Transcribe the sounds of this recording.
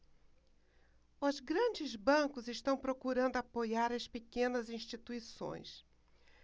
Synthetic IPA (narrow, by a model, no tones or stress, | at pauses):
ʊzɡɾɐ̃d͡ʒɪzbɐ̃kʊzɪʃt̪ɐ̃w̃pɾokuɾɐ̃nd̪ʊapojaɾɐspekẽnɐzĩʃt͡ʃit̪uisõ̰j̃s